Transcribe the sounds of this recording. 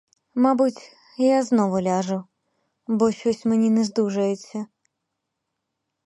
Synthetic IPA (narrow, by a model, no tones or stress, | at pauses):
mabutʲ | jaznovʊlʲaʐʊ | boɕʲosʲmɨnʲinɨzd̪uʐəjɪsʲə